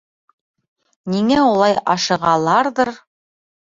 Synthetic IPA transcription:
niŋæulˠɑjɑʃɤ̆ʁɑlˠɑɾðɤɾ

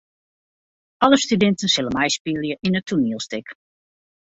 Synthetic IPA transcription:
ʔɔləstydɪntənsɪləmɛjspilˠjəʔinətʰunilˠstɪk

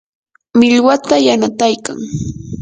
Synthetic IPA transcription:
mɪʎwat̪ajanat̪ajkaŋ

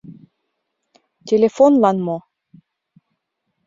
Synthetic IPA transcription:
tʲelʲefonlɑnmo

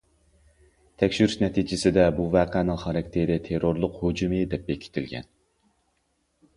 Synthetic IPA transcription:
t̪ʰɛkʲʃyɾyʃnɛt̪ʰid͡ʒɪsɪd̪ɛbuvæːqʰænɪŋχɑɾɑkʲt̪ʰeɾɪt̪ʰeɾoɾlˠʊqhod͡ʒumɨd̪ɛp̚bekʲʰi̥t̪ʰɪlɡʲɛ̰n

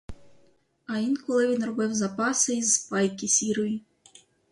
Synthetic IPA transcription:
ɐinkɔlˠɪʋʲinrɔbɪwzɐpɑsɪizpɑjkʲisʲiɾɔji

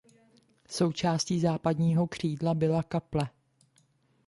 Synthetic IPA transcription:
so̞wt͡ʃaːsciːzaːpadɲiːɦo̞kr̝̥iːdlabɪlakaplɛ

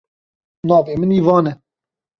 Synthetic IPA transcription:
nɑːveːmɨniːvɑːnɛ

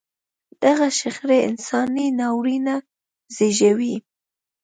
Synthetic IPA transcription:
d̪̥aɣaʃaxɾeɪ̰nsɑninɑwɾina | zeʒawi

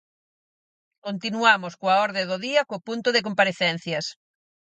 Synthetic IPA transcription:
kont̪inuamʊskoaɔɾðeðoðiɐkopunt̪ʊðek̬ompaɾeθɛn̟θjɐs

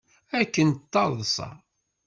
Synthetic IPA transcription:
ækːənt̪ːɑðˤðˤsˤɑ̰

